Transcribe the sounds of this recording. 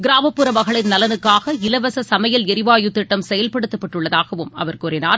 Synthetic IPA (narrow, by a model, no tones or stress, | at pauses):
ɡɪɾaːmɐpːɯɾɐmɐɣɐɭɪnnɐlɐnɯkːaːɣɐɪlɐʋɐsɐsɐmɐjɐlɪɾɪʋaːjɯt̪ːɪʈːɐmsɛjɐlpɐɽɯt̪ːɐpːɐʈrɯɭːɐðaːɣɐʋɯmɐ̰ʋɐɾkuːɾɪna̰ːɾ